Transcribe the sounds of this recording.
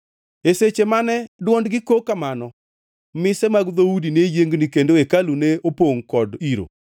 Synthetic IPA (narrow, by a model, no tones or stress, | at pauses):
eset͡ʃemanɛdwɔndɡɪkokamanɔ | mɪsɛmaɡd̪oudinejeŋɡnikendoekaluneopoŋkɔdiɾo̰